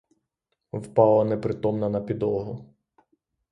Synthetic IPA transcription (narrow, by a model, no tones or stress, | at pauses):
wpɑlˠɐnɛpɾɪt̪ɔmnɐnɐpʲid̪ɔɦʊ